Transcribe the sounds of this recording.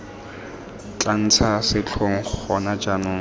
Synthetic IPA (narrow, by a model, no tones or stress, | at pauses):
t͡ɬʼan̩t͡sʰasɪt͡ɬʰoŋ̩χɔnad͡ʒanʊ